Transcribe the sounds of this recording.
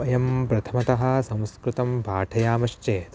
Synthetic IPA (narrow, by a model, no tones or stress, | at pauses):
ɐjɐmpɾɐt̪ʰɐmɐt̪ɐɦɐ̆sɐ̃w̃skɾut̪ɐmpaːʈʰɐjaːmɐʃt͡ʃeːt̪